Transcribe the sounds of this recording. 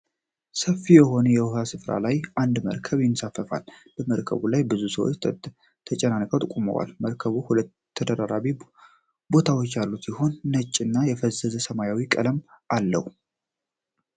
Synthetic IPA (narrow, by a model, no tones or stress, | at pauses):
səfːijɛho̞nəjɛwasɨfɾa̰lajʔand̪mə̰ɾkʰəβjɪnsafːəfa̰lb̥əməɾkʰə̰βulajbɨzusəwo̰t͡ʃː | t̪ʰət͡ʃʼɛnankʼət̪ʼɨkʼumə̰wa̰lməɾkʰəβuhulət̪ʰːəd̪əɾaɾaβi | bo̞t̪ʰawo̞t͡ʃːjalːusiho̞nːət͡ʃʼːɨnːajɛfəzəzəsəmajawikʼə̰ləm | ʔalːə̰hu